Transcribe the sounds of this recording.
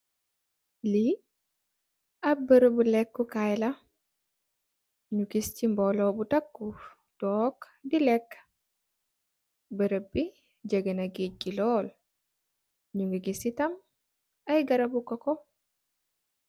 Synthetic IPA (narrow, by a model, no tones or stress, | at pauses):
li | ɐbəɾəbulɛkːukajlɐ | ɲuɡiscimbɔlɔbutɐkːu | d̥ɔːk | dilɛkː | bəɾəbi | d͡ʒəɡənɐɡeɟilɔːl | ɲuŋɡiɡisitɐm | ɐjɡɐɾɐbukɔkɔ